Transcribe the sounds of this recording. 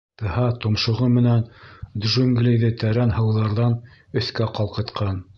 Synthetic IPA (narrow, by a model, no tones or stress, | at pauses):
t̪ɤ̆hɑt̪ŏmʃŏʁɤmɘ̆nænd̪ʒuŋɡlʲijðɘt̪æɾænhɤ̆wðɑɾðɑn | ɵ̆θkæqɑlˠqɤ̆t̪qɑn